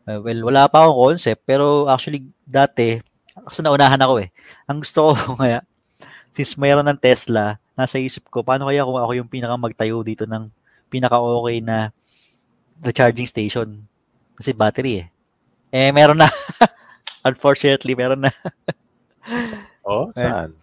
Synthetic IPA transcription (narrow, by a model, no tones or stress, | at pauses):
ɛwɛlwɐlaːpɐɐko̞ŋkonsɛp̚t̪̚pɛːɾo̞ʔak̚t͡ʃʊɐli | d̪aːt̪ɛ | kɐ̥sɛnɐʔʊnaːɦɐnɐko̞ʔɛ | ʔɐŋɡʊst̪okoŋɐjaʔ | sinsmɛːɾonːɐŋt̪ɛslɐnaːsɐʔiːsɪp̚ko̞paːno̞kɐjakʊŋɐkojʊŋpiːnɐkɐmɐɡ̚t̪ɐjowd̪iːt̪o̞nɐŋ | piːnɐkɐʔo̞ːkɛjnɐ | dɐt͡ʃaɹd͡ʒɪŋst̪ejʃon | kɐsɛbaːt̪ɛɾiɛ | ʔɛmɛːɾonːɐ | ʔɐnfoɹt͡ʃʊnɛt̪limɛːɾonːɐ | oɛʔa̰n